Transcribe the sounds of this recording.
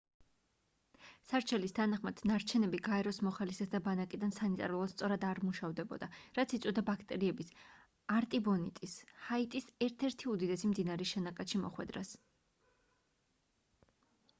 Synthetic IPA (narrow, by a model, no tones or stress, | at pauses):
saɾt͡ʃʰɛlist̪ʰanaχmad̪̥naɾt͡ʃʰɛnɛbiɡaɛɾɔsmɔχalisɛsd̪abanakʼid̪ansanit̪ʼa̰ɾulˠast̪sʼɔɾad̪aɾmuʃavd̪ɛbɔ̰d̪aɾat̪sʰit̪sʼɔd̪abakʰt̪ʼɛɾiɛbis | aɾt̪ʼibɔnit̪ʼishait̪ʼisɛɾt̪ʰɛɾt̪ʰiud̪id̪ɛsimd̪inaɾɛʃɛnakʼaʃimɔ̰χwɛ̰d̪ɾas